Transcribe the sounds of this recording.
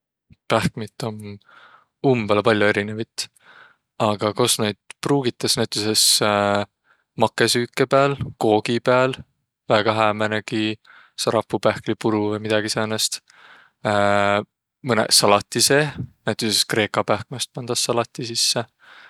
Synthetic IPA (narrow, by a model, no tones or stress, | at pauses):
pæhkmit̪ːˑo̞n | umb̥elpɑlʲjue̞ɾine̞vit̪ˑ | ɑɡ̥ɑko̞sned̪̥̚pruːɡ̥it̪ːˑɑsnæt̪ːˑuses | mɑkːˑe̞syːkːe̞pæːlko̞ːɡ̥ipæl | væɡ̥ɑɦæːmæneɡ̥i | sɑɾɑpːupæhklipuɾuvejmid̪̥ɑɡ̥isæːnest̪ː | mɤnḛsɑlɑt̪ːˑise̞ːnæt̪ːˑuseskre̞ːkɑpæhk̚mest̪̚pɑnd̪̥ɑsːɑlɑt̪ːˑisisːe